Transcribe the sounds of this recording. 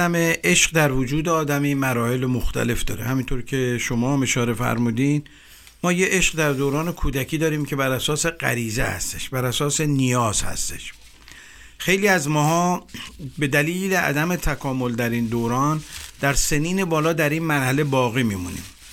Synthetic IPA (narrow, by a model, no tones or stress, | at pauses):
æme̞ʔe̞ʃɢd̪æɾvod͡ʒuːd̪eɒːd̪æmiːmæɾɒːhe̞lemoxt̪ʰæ̰le̞fd̪ɒ̰ːɾe̞̰hæmint̪ʰoɾcʰe̞ʃo̞mɒːme̞ʃɒːɾe̞fæ̰ɾmuːd̪in | mɒːjeʔeʃɢd̪æɾd̪oːɾɒːne̞kʰuːd̪æcʰiːd̪ɒːɾiːmcʰe̞bæɾæsɒːse̞ɢæ̰ɾiːzehæ̰st̪e̞ʃbæɾæsɒːse̞nijɒːz̥hæ̰st̪e̞̥ʃ | xe̞jliːæzmɒːhɒː | be̞d̪æliːleʔæ̰d̪æme̞t̪ʰækʰɒːmo̞ld̪æɾiːnd̪oːɾɒːnd̪̥æɾseniːne̞bɒːlɒːd̪æɾiːnmæɾhæle̞bɒːɣiːmiːmunḭːm